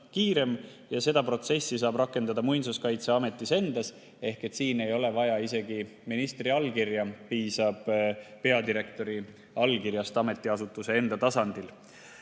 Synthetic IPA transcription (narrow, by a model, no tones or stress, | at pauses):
kiːɾe̞m | jɑse̞d̪̥ɑpro̞t̪se̞sːisɑːbrɑkːˑe̞nd̪̥ɑd̪̥ɑmujnsuskɑjt̪seɑme̞t̪ˑːise̞nd̪̥ɑs | e̞hke̞t̪siːne̞jo̞le̞vɑjɑise̞ɡi | minist̪riɑlkirjɑpiːsɑb̥pe̞ɑd̪iɾe̞k̚t̪o̞ɾi | ɑlkirjɑst̪ɑme̞t̪ːˑiɑsut̪ːˑuse̞e̞nd̪̥ɑt̪ɑsɑnd̪̥il